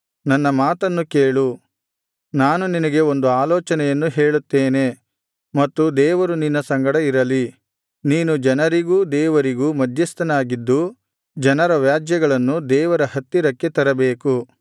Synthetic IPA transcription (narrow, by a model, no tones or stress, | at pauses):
nɐnːɐmaːt̪ɐnːukeːɭu | naːnuninɐɡe̞o̞nd̪uaːlɔːt͡ʃɐnɛjɐnːuɦeːɭut̪ːeːne̞ | mɐt̪ːud̪ɛːʋɐɾuninːɐsɐŋɡɐɽɐiɾɐli | niːnud͡ʒɐnɐɾiɡuːd̪ɛːʋɐɾiɡuːmɐd̪ʱjɐst̪ɐnaːɡid̪ːu | d͡ʒɐnɐɾɐʋjaːd͡ʒjɐɡɐɭɐnːud̪ɛːʋɐɾɐhɐt̪ːiɾɐkːe̞t̪ɐɾɐbeːku